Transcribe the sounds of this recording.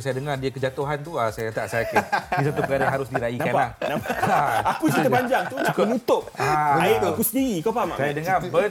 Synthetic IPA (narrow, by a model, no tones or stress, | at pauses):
sajadəŋardiakəd͡ʒat̪oɦant̪uasajakat̪aʔsajakəis̬at̪upəkaɾajaɦaɾʊsdiɾainakalanapaaakusəpaɲd͡ʒaŋt̪uukənut̪ʊp̚aməaid̪oakusəndiɾikopamaʔsajadəŋabə